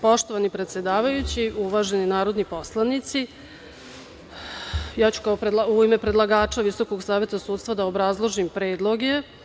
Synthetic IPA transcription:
po̞ʃt̪o̞ʋanipɾet̪sjed̪aːʋajut͡ɕiuʋaʒe̞ninaːɾo̞d̪nipo̞slˠanit̪si | jat͡ɕu̥kaopɾed̪lauime̞pɾe̞d̪lˠaɡaːt͡ʃaʋiso̞ko̞ɡsaːʋje̞t̪asuːt̪st̪vad̪aobɾazlˠo̞ʒimpɾeːd̪lˠo̞ɡe̞

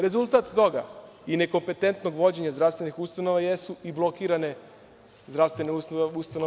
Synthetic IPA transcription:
ɾe̞zulˠt̪aːt̪t̪o̞ɡa̰ | ine̞ko̞mpe̞t̪e̞nt̪noɡʋo̞d͡ʑe̞ɲazd̪ɾafst̪ʋe̞nixust̪ano̞ʋajesuiblˠokiːɾane̞ | zd̪ɾafst̪ʋeneusust̪ano

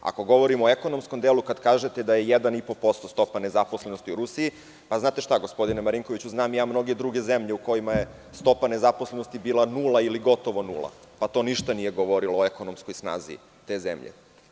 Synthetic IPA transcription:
a̰ko̞ɡo̞ʋo̞ɾimoeko̞nomsko̞md̪elukad̪kaːʒe̞t̪e̞d̪ajejed̪anipo̞po̞st̪ost̪o̞pane̞zapo̞slenost̪iuɾusii | paznaːt̪e̞ʃt̪aɡo̞spo̞d̪inemaɾiŋko̞ʋit͡ɕuznaːmjaːmno̞ɡe̞d̪ɾuɡe̞zemʎeuko̞jimaje | st̪o̞pane̞zaposleno̞st̪ibiːlˠanuːlˠailiɡo̞t̪o̞ʋo̞nṵlˠa̰ | pat̪oniʃt̪anijeɡoʋo̞ɾiloeko̞nomskojsna̰ːzḭ | t̪e̞ːzḛmʎḛ

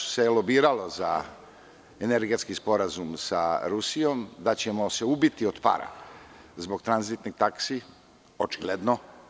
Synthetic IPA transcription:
selo̞biːɾalo̞za | eneɾɡet̪skispo̞ɾazumsaɾusijo̞md̪at͡ɕe̞mo̞se̞ubit̪iod̪pa̰ɾa̰ | zboɡt̪ɾanzit̪niɡ̚t̪aksi | ot͡ʃiɡled̪no̞

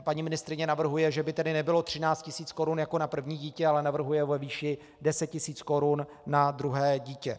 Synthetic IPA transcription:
paɲiːmɪnɪst̪ɾɪɲɛnavr̩ɦujɛʒɛbɪt̪ɛdɪnɛbɪlo̞t̪r̝̥ɪnaːt͡st̪cɪsiːt͡sko̞ɾunjako̞napr̩vɲiːɟiːcɛalɛnavr̩ɦujɛvɛviːʃɪ | dɛsɛt̪cɪsiːt͡sko̞ɾunː | ad̪ɾuɦɛːɟiːcɛ

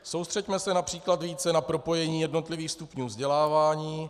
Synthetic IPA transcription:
so̞wst̪r̥ɛcmɛsɛnapr̝̥iːklat̪viːt͡sɛnapɾo̞po̞jɛɲiːjɛdno̞t̪lɪviːxst̪upɲuːvzɟɛlaːvaːɲiː

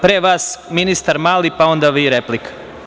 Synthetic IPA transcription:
pɾeːʋaːsminist̪aɾmaːlipao̞nd̪aʋiɾeplikḁ

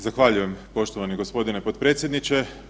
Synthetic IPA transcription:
zaxʋaʎuje̞mpo̞ʃt̪oʋaniɡo̞spo̞d̪ine̞po̞d̪pɾet̪sʲje̞d̪nit͡ʃe̞

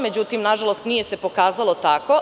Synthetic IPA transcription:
me̞d͡ʑut̪imnaʒalˠost̪nije̞se̞po̞kaːzalˠo̞t̪ako̞

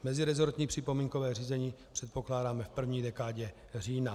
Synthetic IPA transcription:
mɛzɪɾɛzoɾt̪ɲiːpr̝̥ɪpo̞miːŋkovɛːriːzɛɲiːpr̝̥ɛt̪̚po̞klaːdaːmɛfpr̩vɲiːdɛkaːɟɛ | r̝iːna

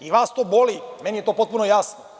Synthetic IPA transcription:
iʋaːst̪oːbolimenije̞t̪o̞ːpo̞t̪̚punojasno

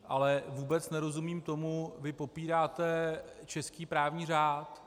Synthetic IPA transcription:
ʔalɛvuːbɛt͡snɛɾo̞zumiːmt̪o̞muvɪpo̞piːɾaːt̪ɛ | t͡ʃɛskiːpɾaːvɲiːr̝aːt̪

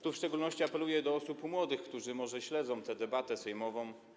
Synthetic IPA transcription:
t̪ufʂt͡ʂɛɡulnɔɕt͡ɕiapɛlujɛd̪ɔɔsupmwɔd̪ɘxkt̪uʐɘmɔʐɛɕlɛd̪zɔ̃w̃t̪ɛd̪ɛbat̪ɛsɛjmɔvɔ̃w̃

